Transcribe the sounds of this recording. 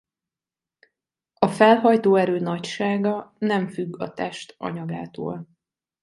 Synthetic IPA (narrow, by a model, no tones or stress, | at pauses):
ɒfɛlɦɒjt̪oːɛɾøːnɒcʃaːɡɒnɛɱfyɡːɒ̰t̪ɛʃt̪ɒ̰ɲɒɡaːt̪o̰ːl